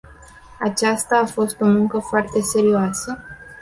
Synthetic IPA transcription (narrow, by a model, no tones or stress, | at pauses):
at͡ʃast̪aːfo̞st̪o̞muŋkəfoart̪e̞se̞ɾioasə